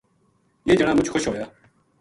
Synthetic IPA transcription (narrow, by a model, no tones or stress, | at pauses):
jeːd͡ʒəɽãːmʊt͡ʃxoʃɦoːjaː